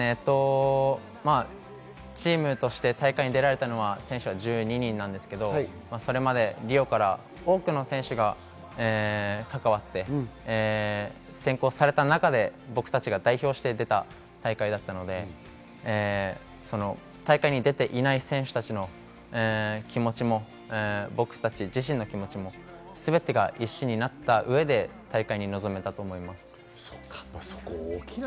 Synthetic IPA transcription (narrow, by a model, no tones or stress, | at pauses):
et̪ːo̞ | ma | t͡ɕiːmɯ̟t̪o̞ɕi̥t̪e̞t̪aikaiɲ̟id̪e̞ɾaɾe̞t̪ano̞βasẽ̞ɰ̃ɕɨβaʑɨːɲ̟iɲ̟ĩnːãnd̪e̞sɨ̥ke̞d̪o̞ | maso̞ɾe̞mad̪e̞ɾʲio̞kaɾa | o̞ːkɯ̟no̞sẽɰ̃ɕɨɡa | eːkakaβ̞at̪ːe̞ː | sẽ̞ŋko̞ːsaɾe̞t̪anakad̪e̞bo̞kɯ̟̥t̪at͡ɕiɡad̪aiço̞ːɕi̥t̪e̞d̪e̞t̪a | t̪aikaid̪at̪ːano̞d̪e̞ | so̞no̞ | t̪aikaiɲ̟id̪e̞t̪e̞ʔinaisẽ̞ɰ̃ɕɨ̥t̪at͡ɕino̞ː | kʲimo̞t͡ɕimo̞ | bo̞kɯ̟̥t̪at͡ɕid͡ʑiɕĩnːo̞kʲimo̞t͡ɕimo̞ | sɨbe̞t̪e̞ɡaʔiɕːiɲ̟inat̪ːaʔɯ̟e̞d̪e̞t̪aikaiɲ̟ino̞zo̞me̞t̪at̪o̞ːmo̞imasɨ̥ | sokḁso̥koːkʲi